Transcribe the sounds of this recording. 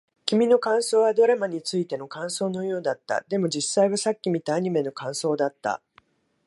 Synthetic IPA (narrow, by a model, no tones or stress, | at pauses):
kʲimʲino̞kãɰ̃so̞ːβad̪o̞ɾamaɲ̟it͡sɨit̪e̞no̞kãɰ̃so̞ːno̞jo̞ːd̪at̪ːa̰d̪e̞mo̞d͡ʑisaiβasakʲːimʲit̪aːɲ̟ime̞no̞kãɰ̃so̞ːd̪at̪ːa̰